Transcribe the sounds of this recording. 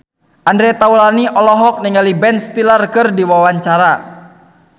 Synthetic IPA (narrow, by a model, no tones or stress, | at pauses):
ʔandɾɛt̪aulaniʔɔlɔɦɔk̚niŋalibɛnst̪ilarkɨrdiwawaɲt͡ʃaɾa